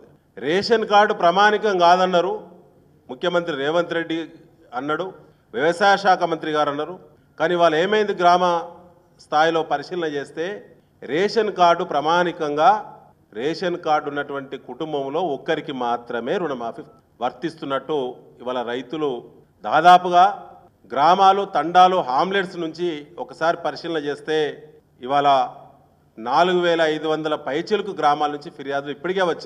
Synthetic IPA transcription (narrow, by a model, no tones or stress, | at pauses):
ɾeːʂɐnkaːɾɖupɾɐmaːnikɐŋɡaːd̪ɐnːɐɾu | mukʰjɐmɐnt̪ɾiɾɛːʋɐnt̪ɾe̞ɖːi | ɐnːɐɽu | ʋiʋɐsaːjɐʃaːkɐmɐnt̪ɾiɡaːɾɐnːɐɾu | kaːniːʋaːlɐeːmɐjind̪iɡɾaːmɐ | st̪ʰaːjilo̞ːpɐɾiʂiːlɐnɐt͡ʃe̞ːst̪e̞ː | ɾeːʂɐnkaːɾɖupɾɐmaːnikɐŋɡaː | ɾeːʂɐnkaːɾɖunːɐʈuʋɐɳʈikuʈumbɐmlo̞ːɔkːɐɾikimaːt̪ɾɐme̞ːɾuɳɐmaːfi | ʋɐɾt̪ist̪unːɐʈːu | iʋaːlɐɾɐjt̪ulu | d̪aːd̪aːpuɡaː | ɡɾaːmaːlut̪ɐɳɖaːluɦaːmleɖsnuɲt͡ʃiɔkɐsaːɾipɐɾiʂilɐnɐt͡ʃe̞ːst̪e̞ː | iʋaːlɐ | naːluɡuʋɛːlɐːɐjd̪uʋɐnd̪ɐlɐpɐjt͡ʃilukuɡɾaːmaːlɐnuɲt͡ʃipʰiɾijaːd̪uipːuʈike̞ːʋɐt͡ʃːi